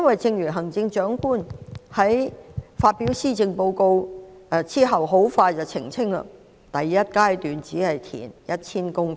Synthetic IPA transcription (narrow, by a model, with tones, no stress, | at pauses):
jɐ˥nwɐ˨jt͡sɪ˧ŋjyː˨˩nɦɐ˨˩ŋt͡sɪ˧ŋt͡ʃœː˨˥ŋkuː˥nhɐ˨˥jfaː˧t̚piː˨˥wsiː˥t͡sɪ˧ŋpo˧wko˧wt͡siː˥ɦɐ˨wɦo˨˥wfaː˧jt͡sɐ˨wt͡sʰɪ̰˨˩ŋt͡sʰɪ˥ŋlɐ̰˧ | t̪ɐ˨jːɐ˥t̚kaː˥jt̪yː˨nt͡siː˨˥hɐ˨jt̪ʰḭː˨˩njɐ˥t̚t͡sʰiː˥nkʊ˥ŋ